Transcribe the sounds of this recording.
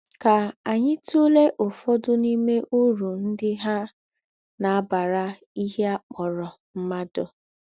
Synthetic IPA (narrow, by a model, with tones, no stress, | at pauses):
ka˨a˨ɲɪ˦tu˦le˦ʔʊ˨fɔ˦dʊ˦ni˦me˦ʔu˦ɾu˨n̩˦dɪ˦ɦa˦ | na˨a˦ba˨ɾa˦ | i˦ɦe˦a˦k͡pɔ˨ɾɔ˨ | m̩˦ma˦dʊ˨